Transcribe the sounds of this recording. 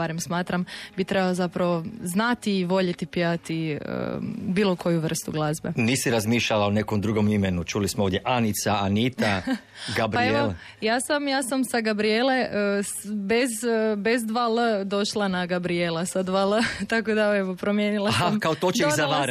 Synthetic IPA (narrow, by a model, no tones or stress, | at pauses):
baɾemsmaːt̪ɾambit̪ɾebalzapɾaʋo̞znat̪iːʋo̞ʎet̪ipiat̪iə̰biːlˠo̞kʰo̞juʋr̩st̪uɡlˠazbeniːsiɾazmiːʃʎalaonekomd̪ɾuɡomimenut͡ʃulismooːʋd̪jeʔanit̪saanit̪a | ɡabɾpaieol | jaːsamjaːsamsaɡabɾiele̞əsbezbezd̪ʋaləd̪o̞ʃlˠanaɡabɾijelˠasad̪ʋalˠət̪akod̪aeʋopɾomjeːnilˠaɦamkaot̪ot͡ʃeizaʋaɾ